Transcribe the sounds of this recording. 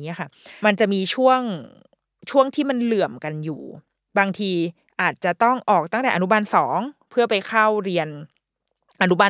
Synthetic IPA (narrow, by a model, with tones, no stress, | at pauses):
i˦˥˨kʰa˥˩ma˧nt͡ɕa˨˩ʔmiː˧t͡ɕʰu˥˩əŋ | t͡ɕʰu˥˩əŋt̪ʰiː˥˩ma˧nlɯ˨˩əmka˧njuː˨˩ | baː˧ŋt̪ʰiː˧ | ʔaː˨˩t̪̚t͡ɕa˨˩t̪ɔ˥˩ŋʔɔː˨˩k̚t̪a˥˩t̪ɛː˨˩ʔnu˦˥ma˧nsɔː˩˦ŋpʰɯ˥˩əpa˧jkʰa˥˩wɾi˧ən | ʔa˧nu˦˥ma˧